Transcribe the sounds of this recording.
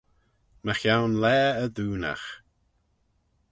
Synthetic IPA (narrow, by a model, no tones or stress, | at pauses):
məxjawnlɛːəðuːna̰x